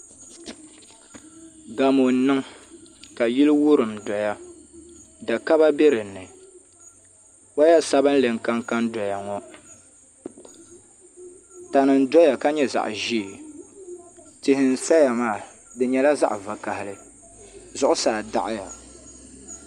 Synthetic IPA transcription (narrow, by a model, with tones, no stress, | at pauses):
ɡa˨mo˨nɨ˦ŋ | ka˨ji˦lwʊ˦ɾɨ˨mdɔ˨ja˦ | da˨ka˦ba˦be˦ɾɨ˨nːɨ˨ | wa˦ja˦sa˦bɨ˦n˦lɨ˨ŋ̩˨ka˦ŋka˦ndɔ˨ja˨ŋɔ˦ | ta˨nɨ˨n̩˦dɔ˦ja˨ka˦ɲɛ˦za̰˨ʔʒi˦˨ | tɪ˨hɪ˨n̩˨sa˦ja˨maː˦˨ | dɨ˨ɲɛ˨la˦za̰˦ʔva˨ka˨hɪ˨lɨ˨ | zʊ˨˦ʔʊ˦saː˨da̰˨ʔɪ˦ja˨